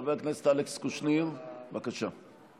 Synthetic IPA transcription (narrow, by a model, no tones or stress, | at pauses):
veaknese̥t̪alekskuʃniʁvbakaʃa